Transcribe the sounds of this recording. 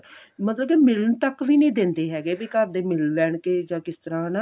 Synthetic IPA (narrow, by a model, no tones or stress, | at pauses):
mət̪ləb̚keːmɪlənt̪əkʋiːnĩːd̪ɪ̃nd̪eːɦɛːɡeːbiːkəɾd̪eːmɪlʋɛːɳkeːd͡ʒãːkɪst̪əɾãːnaː